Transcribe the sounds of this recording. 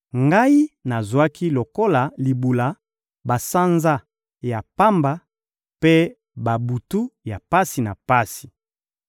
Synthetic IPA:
ŋɡa˦i˦na˨zwa˦ki˦lo˨ko˦la˨li˨bu˨la˨ | ba˨sa˦nza˦ | ja˨pa˦mba˦ | pe˦ | ba˨bu˨tu˦ja˨pa˦si˨na˨pa˦si̥˨

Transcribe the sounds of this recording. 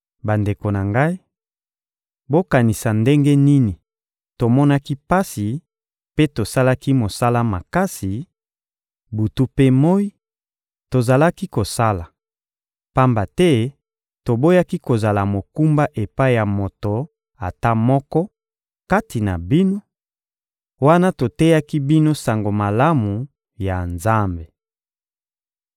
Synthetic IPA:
ba˨nde˨ko˨na˨ŋɡa˦i˦ | bo˦ka˨ni˨sa˨nde˦ŋɡe˦ni˦ni˨ | to˨mɔ˦na˦ki˦pa˦si˨ | pe˦to˨sa˦la˦ki˦mo˨sa˦la˦ma˨ka˦si˨ | bu˨tu˦pe˦mo˦i˦ | to˨za˨la˦ki˦ko˨sa˦la˨ | pa˦mba˨tɛ˦ | to˨bo˦ja˦ki˦ko˨za˨la˨mo˨ku˦mba˦ʔe˨pa˦i˦ja˨mo˨to˨ | a˨ta˦mɔ˦kɔ˦ | ka˦ti˨na˨bi˦no˦ | wa˦na˦to˨tɛ˦ja˦ki˦bi˦no˦sa˨ŋɡo˨ma˨la˦mu˨ | ja˨nza˦mbe˨

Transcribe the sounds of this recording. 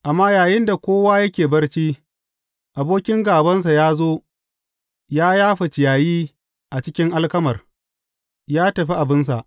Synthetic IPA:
ʔa˨mːaː˦jaː˨jɪ˦nda˨kʷoː˦waː˦jɐ˦kʲeː˨bɐ˦rt͡ʃiː˦ | ʔa˨boː˦kʲɪ˦ŋɡaː˨bɐ˦ns̬a˨jaː˦zoː˦ | jaː˦jaː˦ɸa˨t͡ʃɪ˨jaː˨jiː˦ | ʔa˨t͡ʃɪ˦kʲɪ˦ŋʔa˦lkɐ˦mɐ˨r | jaː˦tɐ˨ɸi˦ʔa˨bɪ˦ns̬a̰˨ʔ

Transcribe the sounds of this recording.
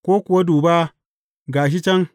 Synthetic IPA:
kʷoː˦kʷʊ˨wa˦duː˨baː˦ | ɡaː˨ʃ̬i˦t͡ʃɛ˦ŋ

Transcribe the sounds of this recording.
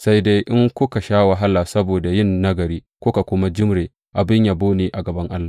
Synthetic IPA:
sa˦jde˦jʔɪ˦ŋkʷʊ˦ka˨ʃaː˦wa˨ɦa˦lːaː˨sɐ˦boː˨da˨jɪ˦˨nːɐ˦ɡɐ˨ɾiː˦ | kʷʊ˦ka˨kʷʊ˦ma˦d͡ʒɪ˦mɽeː˨ | ʔa˨bɪ˦ɲjaː˨boː˦niː˨ʔa˨ɡɐ˨bɐ˦ŋʔa˦lːaː˨

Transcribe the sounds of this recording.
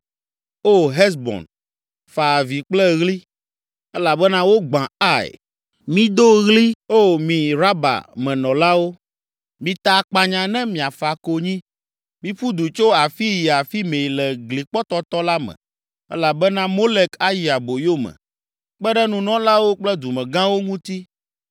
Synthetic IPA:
o˦˨ɦɛ˦s̬bɔ̰˨n | fa˨vi˨k͡plɛ˦ɣli˦ | ɛ˦la˨bɛ˦nã˦wo˦ɡ͡bã˨a˦˨ɛ̰˨ | mĩ˨˦d̪o˦ɣli˦o˦mĩ˨ɾa˦ba̰˨mɛ̃˨nɔ̃˨la˦wo˦ | mĩ˨t̪a˨˦˨k͡pa˨ɲã˨nɛ̃˦mĩ˨a˨fa˨ko˨ɲĩ˦ | mĩ˨ɸu˦d̪u˨t͡ʃo˦a˨fi˦ji˨a˨fi˦mẽ˨lɛ˨ɡli˨k͡pɔ˦t̪ɔ˦t̪ɔ˦la˦mɛ̰̃˨ | ɛ̰˦la˨bɛ˦nã˦mo˦le˦ka˦ji˨a˨bo˨jo˦mɛ̰̃˨ | k͡pɛ˦ɖɛ˦nũ˨nɔ̃˦la˦wo˦k͡plɛ˦d̪u˨mɛ̃˨ɡã˦wo˦ŋũ˦t̪i˦

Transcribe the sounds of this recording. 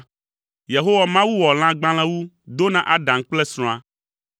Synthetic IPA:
je˨ɦo˦wa˨mã˦wu˦wɔ˨l̃ã˦ɡ͡bã˦l̃ã˦wu˦ | d̪o˦nã˨ʔa˦ɖã˨ŋ˦k͡plɛ˦sɾ̃ɔ̃˨a˦

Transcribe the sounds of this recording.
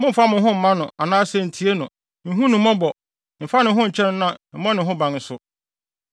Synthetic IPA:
mʊ̃˦m̩˨fa˦mʊ̃˨˦ɦʊ̃˦m̩˨˦mã˦nʊ̃˨a˨nãː˦sɛ˦˨n̩˨tʰi˨˦e˦nʊ̃˨ | n̩˨ɦũ˦nʊ̃˨mɔ̃˦bɔ˨ | m̩˨fa˦nɪ̃˨ɦʊ̃˦ɲ̩˨t͡ɕʰɛ̃˦n˦nã˦m̩˨mɔ̃˦nɪ̃˨ɦʊ̃˦bã˨n̩˨˦sʊ˦

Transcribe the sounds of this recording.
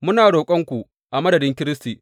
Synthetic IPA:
mʊ˦naː˨ɽoː˨kʷʼɐ˦ŋkʷu˨ | ʔa˨mɐ˦dɐ˨dɪ˦ŋkʲɪ˦ɾɪ˦stiː˨

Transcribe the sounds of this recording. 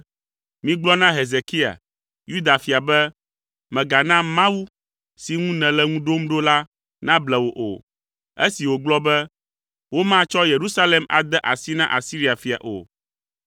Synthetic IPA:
mĩ˦ɡ͡blɔ˦nã˦ɦe˨ze˨ki˦a̰˨ | ju˦d̪a˨fi˨a˨bɛ˦ | mɛ̃˨ɡa˨nã˦mã˦wu˦ | si˨ŋũ˦nɛ̃˨lɛ˦ŋũ˦ɖo˦mɖo˦la˦ | nã˦blɛ˨wo˨ʔo̰˨ | ḛ˦si˨wo˨ɡ͡blɔ˦bɛ˦ | wo˦mã˦t͡ʃɔ˦je˨ɾu˦sa˦le˨ma̰˨d̪ɛ˦ʔa˨si˦nã̰˦ʔa˨si˦ɾi˦a˨fi˨a̰˨ʔo̰˨

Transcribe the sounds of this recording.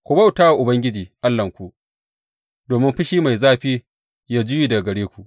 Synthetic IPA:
kʷʊ˨ba˦wtaː˦wa˨ʔʊ˨bɐ˦ŋɡʲɪ˦d͡ʒiː˨ʔa˦lːɐ˨ŋkʷu˨ʔ | doː˨mɪ˦mɸɪ˦ʃiː˦ma˨jzaː˦ɸiː˦ | jaː˦d͡ʒʊ˦jiː˨dɐ˨ɡɐ˨ɽeː˦kʷu˨ʔ

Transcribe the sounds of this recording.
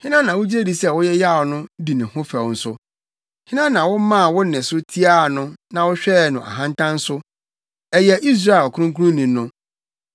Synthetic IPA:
hɪ̃˦nã˦nã˨wʊ˦d͡ʑe˦di˨sɛ˦˨wʊ˦jɛ˦ja˦˨ɔ˨nʊ̃˦di˨nɪ̃˨hʊ̃˦fɛ˨wn̩˦sʊ˦ | hɪ̃˦nã˦nã˨wʊ˦mã˦˨wʊ˦nɪ̃˨sʊ˦tʰi˦a˦˨nʊ̃˦nã˨wʊ˦ɕᶣɛ˦˨nʊ̃˨ʔa̰˨ɦã˦n˦tʰã˦n̩˦sʊ˦ | ɛ˨jɛ˨ʔi˦s̬ɾa˦ɛ˨lkʊ˦ɾʊ̃˦ŋku˦ɾʊ̃˦nĩ˨˦nːʊ̃˦

